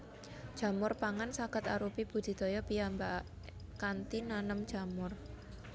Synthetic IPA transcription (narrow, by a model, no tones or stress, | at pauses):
d̥ʒ̥a̤mʊrpaŋansakət̪aɾupib̥ṳd̪̥i̤d̪̥ɔjɔpijamba | kant̪inanəmd̥ʒ̥a̤mʊr